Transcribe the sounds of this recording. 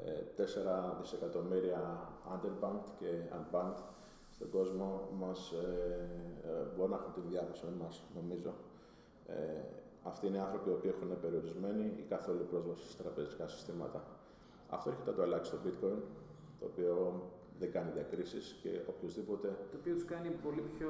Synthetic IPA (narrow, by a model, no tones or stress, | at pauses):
ḛt̪e̞se̞ɾɐðise̞kɐt̪o̞miɾiɐɐ̰nd̪e̞ɾbɐŋt̪ce̞ɐ̰nbɐŋt̪ | st̪o̞ɡo̞zmo̞mɐs | boɾonɐexunt̪inðjɐvɐsimɐsno̞mizo̞ | ḛ | ɐft̪ineiɐnθɾo̞pio̞piːe̞xune̞pe̞ɾio̞ɾizme̞niḭkɐθo̞lupɾo̞zvɐsi̥set̪ɾɐpe̞zikɐsi̥st̪imɐ̰t̪ɐ | ɐ̰ft̪o̞eɾçet̪ɐt̪oɐlɐci̥st̪o̞bit̪ko̞jin | t̪o̞ːpio̞ | ðe̞ŋɡɐniðiɐkɾisisce̞̰opço̞zðipo̞t̪e̞t̪oːpiot̪u̥skɐnipo̞lipço